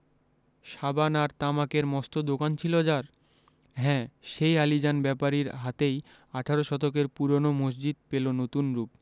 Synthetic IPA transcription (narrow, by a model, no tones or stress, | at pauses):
ʃabanaɾt̪amakeɾmɔst̪od̪okant͡ɕʰilod͡ʑaɾ | ɦɛ̃ːʃejalid͡ʑanbɛpaɾiɾɦat̪ej | aʈʰaɾoʃɔt̪ok̬eɾpuɾonomos̬d͡ʑid̪̚pelonot̪unɾup̚